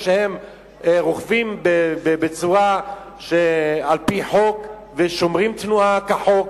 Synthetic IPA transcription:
ʃehem | ʁuχvimbebebet͡suʁa | ʃealpiħo̞k | veʃomʁimt̪nuakeħok

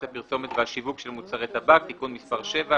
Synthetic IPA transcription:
thapiʁso̞met̪veaʃivukʃe̞lmut͡saʁet̪habak̚t̪ikunmispaʁʃe̞va

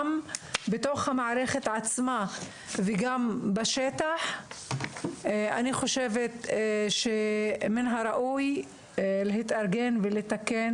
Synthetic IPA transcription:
mbet̪o̞χhamaʕɾeχet̪ʕat͡sma | veɡambaʃet̪aħ | a̰niχo̞ʃevet̪ʃeminɦaɾaʔuj | leɦit̪aɾɡenvelet̪aken

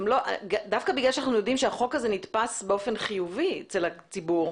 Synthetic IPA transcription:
mloʔɡadafkabiɡlalʃ̬anaχnujo̞dimʃeaχo̞kazenit̪pasbeo̞fe̞nχijuviet͡selat͡sibuʁ

